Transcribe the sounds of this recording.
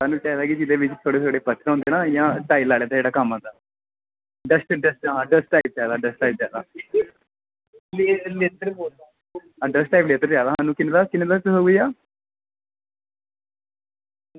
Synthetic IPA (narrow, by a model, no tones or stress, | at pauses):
saːnũːt͡ʃɛːd̪aːkɪd͡ʒɪd̪eːʋɪt͡ʃt̪ʰoːɽeːt̪ʰoːɽeːpət̪ʰːɾõnd̪eːnaːjãːʈaːilaːɭjaːd̪aːd͡ʒeːɽaːkaːmãːd̪aː | ɖəsʈɖəsʈɦãːɖəsʈaːip̚d͡ʒaːd̪aːɖəsʈaːiːp̚d͡ʒaːd̪aː | lleːt̪əɾboːld̪a | aːɖəsʈaːjpleːt̪əɾd͡ʒjaːd̪aːɦãːnũːkɪneːd̪aːkɪnẽːd̪at͡ʃɦoːɡəjaː